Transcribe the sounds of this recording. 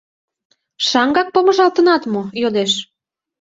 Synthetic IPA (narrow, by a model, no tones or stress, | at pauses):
ʃɑŋɡɑk̚poməʒɑlt̪ənɑt̪mojod̪eʃ